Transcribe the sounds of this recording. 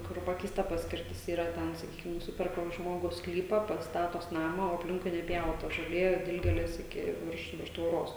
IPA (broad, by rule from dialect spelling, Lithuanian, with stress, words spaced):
kʊr ˈpɑːkʲɛɪstɐ ˈpɑːsʲkʲɪrʲtʲɪs ˈiːrɐ ˈtʲɛn sɐˈkʲiːkʲɪm nʊˈsʲɪpʲɛrkɐ ˈʒmoːɡʊs ˈsklʲiːpɐ ˈpɐts ˈstɑːtoːs ˈnɑːmɐ oː ɐpʲˈlʲɪŋkʊɪ nʲɛˈpʲjɛʊtɐ ʒoːˈlʲeː ˈdʲɪlʲɡʲeːlʲeːs ˈɪkʲɪ ˈʋʲɪrʃ ˈʋʲɪrʃ tʋoːˈroːs